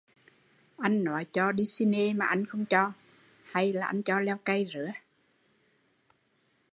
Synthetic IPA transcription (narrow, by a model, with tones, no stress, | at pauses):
ʔa˧jŋ̟nɔ˨˦jt͡ɕɔ˧ɗi˧si˧ne˧maː˨˩ʔa˧jŋ̟xə˧wŋ͡mt͡ɕɔ˧ | ha˧jlaː˨˩ʔa˧ŋt͡ɕɔ˧lɛ˧wkə˧jzɨ̰˧˥ə